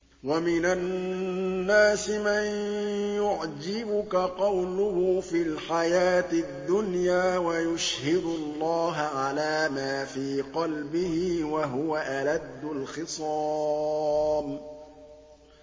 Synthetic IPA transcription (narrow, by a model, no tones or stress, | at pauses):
wamɪna | nːaːsɪmanjʊʕd͡ʒɪbʊkaqɑwlʊhʊfilħajaːt̪ɪd̪ːʊnjaːwajʊʃhɪd̪ʊlˤːɑːɦaʕalaːmaːfiːqɑlbɪhɪwaɦʊwaʔalad̪ːʊlxɪsˤɑː | m